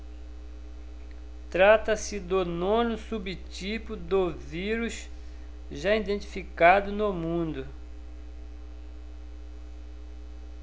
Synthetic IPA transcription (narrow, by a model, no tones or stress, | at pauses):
t̪ɾat̪ɐsɪd̪ʊnõnʊsubɪt͡ʃipʊd̪oviɾus | ʒaid̪ẽnt͡ʃ̪i̥fikad̪ʊnʊmũnd̪ʊ